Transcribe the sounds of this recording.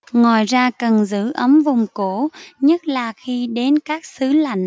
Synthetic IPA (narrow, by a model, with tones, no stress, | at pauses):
ŋɔ˨˩˨jzaː˧kə˨˩nzɨ̰˧˥ʔə˨˦mvʊ˨˩ŋ͡mko˧˩ɲə˦˥t̚laː˨˩xi˧ɗe˨˦nkaː˦˥k̚sɨ˨˦la̰˧˨jŋ̟